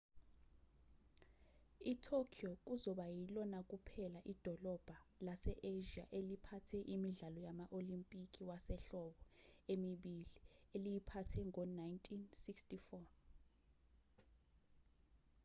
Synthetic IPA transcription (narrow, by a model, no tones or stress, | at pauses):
itʰokʰiok̬ʼuzɔɓajilɔnak̬ʼupʰɛlaʔid̥ʱɔlɔb̥ʱalasɛʔeʒia̰ʔelipʰatʰɛʔimiɮalɔjamaʔolimpʼikʼiwasɛɬɔɓɔemiɓilielijipʰatʰɛŋɔnajntʼʰinsikstifɔ